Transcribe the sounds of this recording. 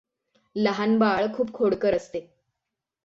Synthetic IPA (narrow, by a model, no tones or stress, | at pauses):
ləɦanbaɭkʰuːb̚kʰoɽkəɾəst̪e